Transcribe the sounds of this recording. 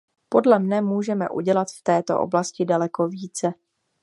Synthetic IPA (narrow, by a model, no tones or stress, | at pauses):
po̞dlɛmnɛmuːʒɛmɛ̰ʔṵɟɛlat̪ft̪ɛːt̪o̰ʔo̰blascɪdalɛko̞viːt͡sɛ